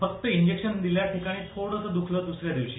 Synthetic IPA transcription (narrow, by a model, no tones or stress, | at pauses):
fək̚t̪əiɲd͡ʑekʂənd̪iljaʈʰikaɽ̃iːt̪ʰoɽət͡səd̪ukʰləːd̪usɾjad̪iwt͡ɕiː